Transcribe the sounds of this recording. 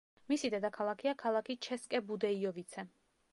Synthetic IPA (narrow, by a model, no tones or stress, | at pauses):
misid̪ɛd̪akʰalˠakʰiakʰalˠakʰit͡ʃʰɛskʼɛbud̪ɛiɔvit̪sʰɛ